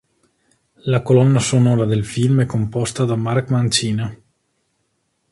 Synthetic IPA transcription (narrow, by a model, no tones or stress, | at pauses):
lakolɔnːasonɔːɾad̪elfilmɛkːompɔst̪ad̪amarkmant͡ʃiːna